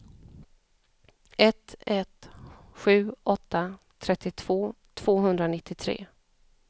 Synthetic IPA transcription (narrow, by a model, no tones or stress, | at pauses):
ɛt̪ɛt̪ɧʉ̟ːʔɔt̪ːa | t̪ʰɾɛt̪ːɪt̪ʰv̥oː | t̪ʰv̥oːɦɵnd̪ɾanɪt̪ʰːɪt̪ʰɾḛː